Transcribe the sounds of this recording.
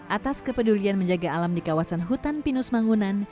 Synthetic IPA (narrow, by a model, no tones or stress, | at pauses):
ʔat̪askəpədulianməɲd͡ʒaɡaːlamdikawasanɦut̪anpinusmaŋunan